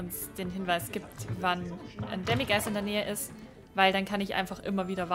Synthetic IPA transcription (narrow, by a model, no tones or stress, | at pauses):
ʊnsd̥eːnɦɪnvaɪsɡ̥iːp̚tvanʔa̰ndɛmiɡaɪsɪndeːɐnɛːəʔɪst | vaɪldankʰanɪçʔa̰ɪnfaχʔɪ̰mɐviːɾɐva